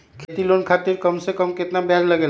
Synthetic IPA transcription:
kʰet̪ilonkʰat̪iɾkəmsekəmkɪt̪nabjad͡ʒləɡeːl

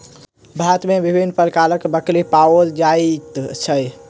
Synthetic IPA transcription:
bʱat̪mebibʱinːpəɾkaləkbəklipaold͡ʒat̪t͡ʃʰəj

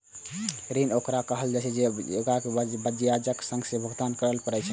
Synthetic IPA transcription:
ɾinokɾakəɦəld͡ʒat͡ʃʰed͡ʒeo̰kakebəd͡ʒjad͡ʒəksə̃ŋɡsebʱəɡd̪ankəɾəlpəɾɛt͡ʃʰɛ

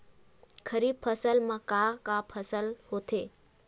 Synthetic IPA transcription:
kʰəɾib̚pʰəsəlmãkakapʰəsəlɦot̪ʰe

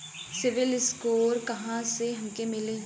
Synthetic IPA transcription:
sɪʋɪlɪskoːɾkɐɦãseɦɐmkemɪlẽː

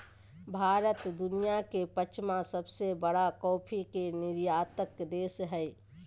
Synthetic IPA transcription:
bʱaɾət̪d̪unijakepət͡ʃʰmãsəbsebəɽakɔpʰikeniɾjat̪əkd̪esɦəj

